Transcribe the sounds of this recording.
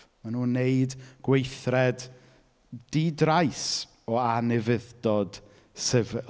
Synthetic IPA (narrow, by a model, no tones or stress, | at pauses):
manuːnːeɨdɡ̥wejθrɛdː | idrajs | ɔanɛvɪðdɔd̥ | səvɛ